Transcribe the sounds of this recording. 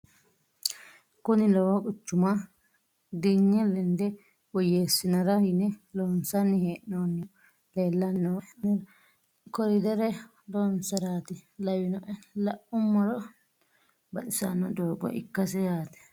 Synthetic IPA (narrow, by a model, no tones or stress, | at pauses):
kʊnɪlɔwɐkʼʊt͡ʃːʊmɐ | d̪iɲːɛlɛnd̪ɛ | wɔjeːsːɪnɐɾɐhɪnɛloːnsɐnːɪheːʔnoːnːɪ | leːlːɐnːɔnɛ | kɔɾɪd̪ɛɾɛ | d̪oːnsɐɾaːt̪ɪlɐwɪnɔʔɛlɐʔʊmːɔɾɔ | bɐtɪsɐnːɔd̪oːɡɔ̰ʔɪ̰kːɐsɛjaːt̪ɛ̥